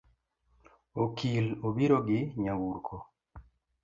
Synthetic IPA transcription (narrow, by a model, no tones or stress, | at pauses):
okʰilobiɾoɡɪɲawuɾkʰo